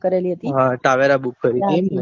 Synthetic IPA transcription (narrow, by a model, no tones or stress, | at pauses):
kəɾeliɦət̪iɦãʈaʋeɾabukʰːəɾike